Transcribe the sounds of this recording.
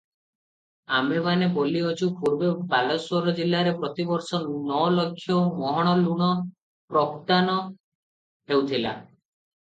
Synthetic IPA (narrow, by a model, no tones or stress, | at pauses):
amebaneboliot͡ʃʰupuɾbebalɔswoɾɔd͡ʒilːaɾepɾɔt̪ibɔɾsɔnɔlokʰːjɔmɔɦɔɽ̃ɔluɽ̃ɔ | pɾɔkt̪anɔ | ɦewt̪ʰila̰